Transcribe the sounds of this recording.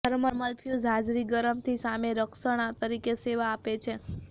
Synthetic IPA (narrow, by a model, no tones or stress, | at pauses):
əɾməɾməlpʰjud͡ʒɦad͡ʒɾiɡəɾəmt̪ʰisameɾəksəɽ̃at̪əɾikeseʋaːpet͡ʃʰe